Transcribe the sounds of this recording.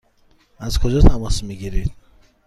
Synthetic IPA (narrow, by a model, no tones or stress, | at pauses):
æzkʰod͡ʒɔt̪ʰamɔsmiɡiɾid̪̥